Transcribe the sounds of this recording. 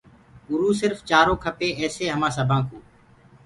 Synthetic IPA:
ʊɾuːsɪɾft͡ʃaːɾõːkʰəpeːɛːseːɦəmãːsəbʱãːkuː

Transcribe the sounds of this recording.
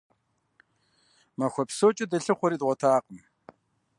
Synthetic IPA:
mɐxʷɔpsoːt͡ʃʼɐdɐɬɨχʷɔɾiːdʁʷɔtʰaːqəm

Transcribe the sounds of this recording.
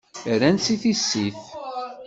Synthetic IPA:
ɾænsiθisːiθ

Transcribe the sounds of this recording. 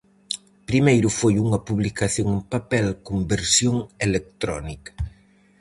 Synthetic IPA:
pɾimejɾufojuŋɐpuβlikaθjoŋempapɛlkombeɾsjoŋelek̚t̪ɾɔ̰nikɐ̥

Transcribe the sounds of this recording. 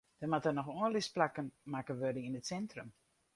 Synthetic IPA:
d̥ɔnmatənɔxoənlɪsplakənmakənʋørdəninətsɛntrəm

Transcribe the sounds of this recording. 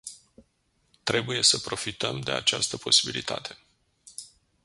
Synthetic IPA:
t̪ɾe̞buje̞səpɾo̞fit̪əmd̪e̞a̰t͡ʃast̪əpʰo̞sibilit̪ʰa̰t̪ʰe̞̥

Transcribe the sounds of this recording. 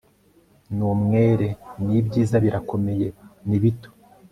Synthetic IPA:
numŋe̞ːɾe̞nibɟiːzaβiɾako̞me̞je̞niβito̥

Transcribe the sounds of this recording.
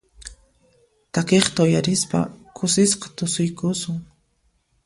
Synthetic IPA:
t̪akeχt̪aʊjaɾɪspa̰kʰʊsɪsqɑ̥t̪ʊsʊjkʊsʊŋ

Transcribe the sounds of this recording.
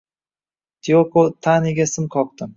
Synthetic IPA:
t̪ʰiokot̪ʰaniɡʲasɪmkʰɒq̚t̪ɪm

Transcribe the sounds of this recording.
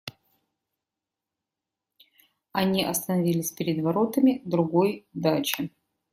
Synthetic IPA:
ɐnʲiʔɐst̪ənɐvʲilʲɪsʲpʲɪɾʲɪd̪vɐɾo̞t̪əmʲɪd̪ɾʊɡojd̪at͡ɕɪ

